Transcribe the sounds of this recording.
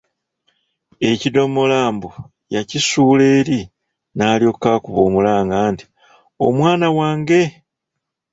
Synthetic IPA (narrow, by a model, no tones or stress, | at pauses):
e̞cido̞molaːmbo | jacisuːle̞ːɾi | naːlio̞ːkkakuβo̞ːmulaːŋɡaːnti̥ | o̞̰mwaːnawaːŋɡe̞